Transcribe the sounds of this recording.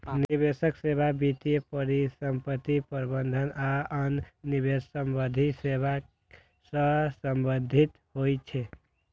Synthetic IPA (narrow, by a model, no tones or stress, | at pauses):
nibesəksebʱabit̪iepəɾisəmpət̪ːipəɾbənd̪ʱənaənːibesəmbəd̪ʱiseba | sə̃səmbənd̪ʱit̪ɦojt͡ʃʰɛ